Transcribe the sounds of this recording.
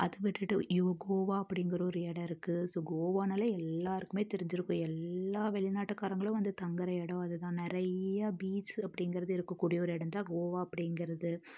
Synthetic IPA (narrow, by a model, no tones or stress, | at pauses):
ʔɐðɯʋɪʈːɯʈːɯ̰jʊɐɡoːʋaːɐpːɐɽɪŋɡɐɾɐɔɾɯɛɽɐɪɾɯkːɯsoːɡoːʋaːnɐːlɐɛlːaːɾɯkːɯmeːt̪ɛɾɪɲd͡ʒɪɾɯkːʊ̃ɛlːaːʋɛɭɪnaːʈːɯkːaːɾɐŋɡɐɭʊ̃ʋɐnd̪ɯt̪ɐŋɡɐɾɐɛɽɐ̃ɐðɯt̪ãːnɪɾɐjɐbiːsɐpːɐɽɪŋɡɐɾɐðɯɪɾɯkːɐkːuːɽɪjɐɔɾɯɛɽɐnd̪aːɡoːʋaːɐpːɐɽɪŋɡɪɾɐðɯ